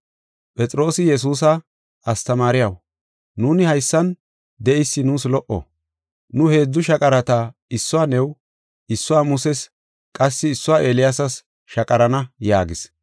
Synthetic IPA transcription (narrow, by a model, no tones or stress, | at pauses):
pʼɛt͡sʼɾo̞ːsɪjɛs̬uːs̬ɐ | ɐst̪ɐmaːɾɪjɐw | nuːnɪhɐjsːɐn | d̪ɛʔɪsːɪnuːslɔʔɔ̰ | nʊhe̞ːd͡zːʊʃɐkʼɐɾɐt̪aɪsːʊwaːnɛw | ɪsːʊwaːmʊsɛs | kʼɐsːɪːsːʊwaːeːlɪjasɐs | ʃɐkʼɐɾɐnɐjaːɡɪs